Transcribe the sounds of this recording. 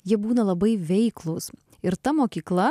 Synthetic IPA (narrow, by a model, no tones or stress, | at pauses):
jiɛbuːnɐlˠɐbɐɪʋʲɛɪklˠʊs | ɪɾt̪ɐmoːkʲiːklˠɐ